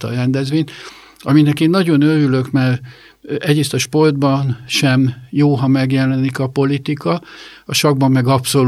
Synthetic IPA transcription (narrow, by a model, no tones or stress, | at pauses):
t̪ɒ̰rɛnd̪ɛzvʋeːɲt̪ | ɒminɛkeːnːɒɟo̞nøɾylø̞kmɛr | ɛɟeːst̪ɒʃpo̞rd̪bɒnʃɛmjoːɦɒmɛɡjɛlɛnikɒpo̞lit̪ikɒɒʃɒɡ̚bɒmːɛɡɒpso̞l